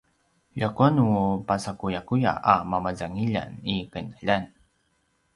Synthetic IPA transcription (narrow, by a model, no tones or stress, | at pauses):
ʎakuanupasakujakuja̰ʔamamazaŋiʎa̰nikənəʎan